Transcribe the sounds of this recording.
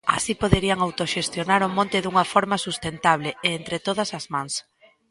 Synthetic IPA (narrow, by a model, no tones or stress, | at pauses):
a̰sipoðeɾiaŋawt̪oʃest̪jonaɾʊmõnt̪ɪðuŋɐfoɾmasust̪ent̪aβ̞leeent̪ɾet̪oð̞ɐsazmãŋs